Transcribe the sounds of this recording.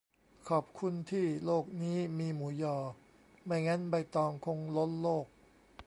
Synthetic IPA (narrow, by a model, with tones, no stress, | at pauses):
kʰɔː˨˩p̚kʰu˧nt̪ʰiː˥˩loː˥˩k̚niː˦˥miː˧muː˩˦jɔː˧˩ | ma˥˩jŋa˦˥nba˧jt̪ɔː˧ŋkʰo˧ŋlo˦˥n̚loː˥˩k̚